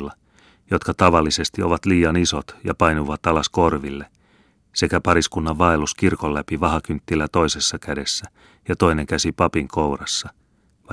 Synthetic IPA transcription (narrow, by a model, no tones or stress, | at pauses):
lːɑ | jo̞t̪kɑt̪ɑʋɑlːise̞st̪io̞ʋɑt̪liːjɑniso̞t̪jɑ̰pɑjnuʋɑt̪ɑlɑsko̞rʋilːe | se̞kæpɑɾiskunːɑʋʋɑeluskirkolːæpiʋɑhɑkynt̪ːilæt̪o̞ise̞sːɑkæde̞sːæ | jɑt̪o̞ineŋkæsipɑpiŋkʰowrɑsːɑ | ʋɑ